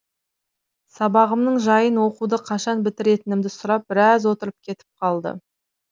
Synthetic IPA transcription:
sɑbɑʁəmnəɴʒɑjənwo̞qud̪əqʰɑʃɑnbɪt̪ɪɾe̞t̪ɪnɪmd̪ɪsʊɾɑp̚b̥ɪɾɑzwo̞t̪əɾəp̚kʲʰe̞t̪ɪ̥p̚qʰɑlˠd̪ə̰

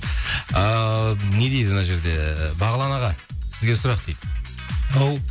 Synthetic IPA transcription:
əne̞d̪ejd̪mənɑʒe̞ɾd̪e̞bɑʁɑlˠɑnɑʁɑsɪzɡʲe̞sʊɾɑqt̪ejd̪ | aw

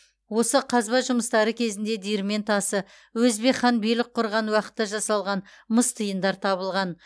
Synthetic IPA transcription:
wo̞səqʰɑzbɑʒʊməst̪ɑɾəkʲʰe̞zɪnd̪e̞d̪iɾme̞nt̪ʰɑsə | wɵzbeχɑnbelɪk̚qʰʊɾʁɑnwɑqə̥t̪ːɑʒɑsɑlˠʁɑn | məst̪ʰəjənd̪ɑɾt̪ʰɑβəlˠʁɑn

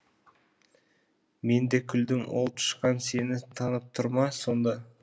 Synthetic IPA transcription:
me̞nd̪e̞kʲʰʏld̪ɪŋwolˠp̚t̪ʰə̥ʃqɑnse̞nɪt̪ʰɑnəp̚t̪ʰʊɾmɑso̞nd̪ɑ

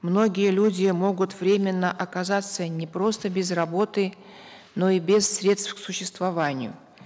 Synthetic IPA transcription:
mno̞ɡʲɪjəlʲudʲɪjəmo̞ɡʊt̪vɾʲemʲɪnːəʔɐkɐzat̪sːənʲɪpɾo̞st̪əbʲɪzrɐbo̞t̪ɨ | no̞ibʲɪsːɾʲe̞t̪st̪fksʊɕːɪst̪vɐvanʲɪjʊ̰

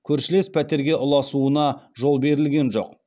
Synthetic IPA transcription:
kʲʰɵɾʃɪle̞spʰæt̪e̞ɾɡʲe̞ʔʊlˠɑsuənɑʒo̞lˠbe̞ɾɪlɡʲe̞nʒo̞̰q

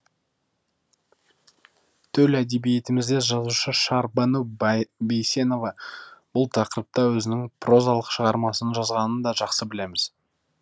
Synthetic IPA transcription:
t̪ʰɵlæd̪e̞bije̞t̪ɪmɪzd̪e̞ʒɑzuʃəʃɑɾbɑnubejsʲe̞no̞vɑb̥ʊlˠt̪ʰɑqəɾəp̚t̪ɑwɵzɪnɪŋpʰro̞zɑlˠəqʃəʁɑɾmɑsənʒɑzʁɑnənd̪ɑʒɑqsəbɪle̞mɪz̥

